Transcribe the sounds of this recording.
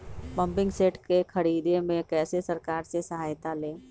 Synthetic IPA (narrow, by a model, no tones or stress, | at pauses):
pɐ̃mpɪ̃ŋɡseːʈkekʰɐɾiːd̪emẽkɛːsesɐɾkaːɾsesɐɦaːjt̪aleː